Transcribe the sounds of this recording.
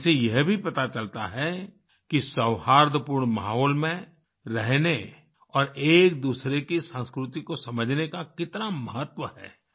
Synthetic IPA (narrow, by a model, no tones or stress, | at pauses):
sejɛɦbʱipɐt̪at͡ʃɐlt̪a̰ɦɛ | kisɐwhaːɾd̪ʱəpuɾɳma̰ːɦoːlmẽ | ɾɛɦne | ɔːɾeːk̚d̪uːsɾekisə̃ːskɾʊt̪ikosɐməd͡ʒʱnekakɪt̪namɐɦət̪wəɦɛ̰ː